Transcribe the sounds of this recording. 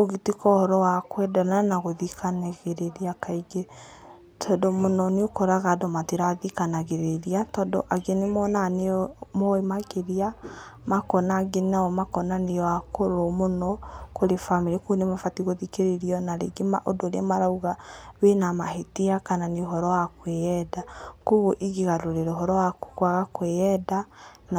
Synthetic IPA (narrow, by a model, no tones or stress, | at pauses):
oɣitikɔhɔɾɔwakwɛdɔnanaɣoðikanaɣeɾeɾiakaiɡe | tʰɔdomonɔneokoɾaɣadomateɾaðikanaɣeɾeɾiatɔdɔ̰ʔaɡenemɔnanemɔemaɣeɾia | makɔnaɡenaɔmakɔnaneɔwakoɾomonɔkoɾefamiɾikunemafatiɣoðikeɾeɾiɔnaɾḛɡema̰ʔodoɾeamaɾauɣawenamaɦetiakananeoɦɔɾɔwakwejɛdakoɣoʔiɣeɣaɾoɾeɾoɦɔɾɔwako̥kwaɣakweɛdan